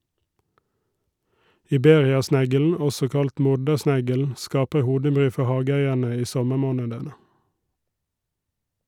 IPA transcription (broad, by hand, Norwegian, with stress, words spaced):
ɪˈbeːʁɪɑˌsnæɡəln̩ ˈɔsɔ ˈkɑlt ˈmʊɖəˌsnæɡəln̩ ˈskɑːpə ˈhuːdəˌbʁyː ˈfɔ ˈhɑːɡəˌæɪəɳə ˈiː ˈsɔməˌmoːnədənə